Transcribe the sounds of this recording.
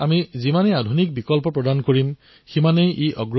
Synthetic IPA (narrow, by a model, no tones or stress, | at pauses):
amizimaneadʱunik̚bikɔlpɔpɹɔdankoɹim | ximanejʔeʔɔ̰ɡ